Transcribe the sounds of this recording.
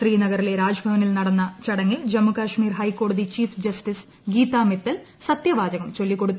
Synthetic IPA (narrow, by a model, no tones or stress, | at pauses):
ʃriːnɐɣɐɾileɾaːd͡ʑɐbʱɐʋɐnilnɐɽɐnːɐt͡ɕɐɽɐŋːild͡ʑɐmːukaːʂmiːrɦɐjkːo̞ːɽɐðit͡ɕiːfd͡ʑɐsʈis | ɡiːt̪aːmet̪ːɐl | sɐt̪jɐʋaːd͡ʑɐɣɐmt͡ɕo̞lːikːo̞ɽut̪ː